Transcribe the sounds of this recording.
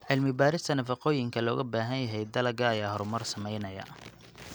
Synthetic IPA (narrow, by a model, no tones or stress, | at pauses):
ʕɪlmɪbaːɾɪst̪ʰɐnɐfɑqɔːjɪŋkʰɐlɔːɣɐbaːɦɐnjɐɦɛjd̪ɐlɐɡɐːjaːhɔɾʊmɐrsɐmɛjnɐjɐ̰